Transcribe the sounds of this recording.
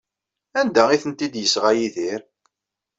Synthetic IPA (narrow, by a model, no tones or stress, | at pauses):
ænd̪æiθənt̪id̪jəsʁæjiðiɾ